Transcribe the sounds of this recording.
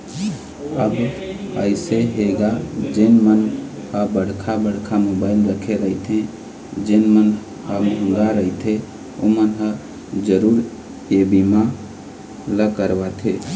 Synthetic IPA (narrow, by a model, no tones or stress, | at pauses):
əbəɪseɦeɡad͡ʒenmən | həbəɽ̤kʰabəɽkʰamobaɪlɾəkʰeɾəit̪ʰẽ | d͡ʒenmən | ɦəmə̃ŋɡaɾəit̪ʰẽ | omənɦə | d͡ʒəɾuɾ | ebima | ləkəɾbat̪ʰe